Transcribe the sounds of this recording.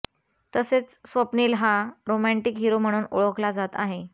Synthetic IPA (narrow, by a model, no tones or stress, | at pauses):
t̪əset͡ssʋəpniːlɦaɾomæɳʈikɦiɾom̤əɽ̃uːnoɭəklad͡zat̪aɦe